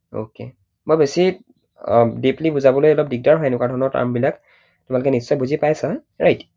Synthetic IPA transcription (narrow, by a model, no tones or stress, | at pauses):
o̰kḛ | mojbesi | diplibuzabɔlojɔlɔp̚diɡ̚daɹɦɔjɛnʊkwaɹdʱɔnɔɹta̰mbilak | tʊmalʊkɛnissɔjbuzipajsa | ɹajt